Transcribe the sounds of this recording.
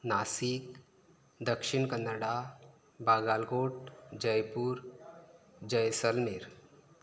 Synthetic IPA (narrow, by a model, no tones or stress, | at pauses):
naːsik | d̪əkʃɪɳkənːəɽa | baːɡaːlɡoːʈd͡ʒəjpuɾ | d͡ʒəjsəlmeɾ